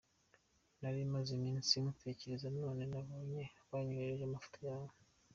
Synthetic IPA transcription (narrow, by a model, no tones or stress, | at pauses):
naɾimazimiːnsimuteceɾezano̞ːne̞naβo̞ːɲe̞βaːɲuɾeɾeʒamafu̥tʰajaːβo